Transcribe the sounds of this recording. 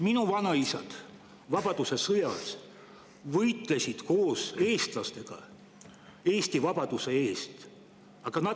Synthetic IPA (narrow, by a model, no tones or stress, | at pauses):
minuvɑnɑisɑ̰d̪̥ | vɑb̥ɑd̪̥use̞sɤjɑs | vɤjt̪ˑle̞sid̪̥ko̞ːse̞ːst̪lɑst̪e̞ɡ̥ɑ̰ | e̞ːst̪ivɑb̥ɑd̪̥use̞eːst̪ | ɑɡ̥ɑnɑ